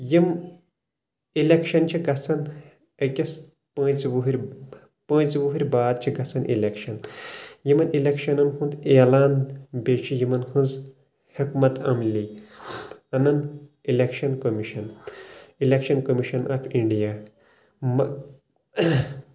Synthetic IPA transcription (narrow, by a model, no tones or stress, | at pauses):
jim | ilekʃɐnt͡ʃʰiɡɐsɐn | ɐkʲɐs | pɐ̃ːt͡sʋuɦiɾʲ | pɐ̃ːt͡sʋuɦuɾʲbaːd̪̚t͡ʃʰiɡɐsɐnḭlekʃɐnjimɐnilʲekʃɐnɐnxʰũnd̪eːlaːnbeːt͡ʃʰijimɐnxʰũnz | hikmɐt̪ɐmlʲi | ɐnɐnilʲekʃɐnkomiʃɐn | ilʲekʃɐnkomiʃɐnʔaːfʰiɳɖijaː | mɐ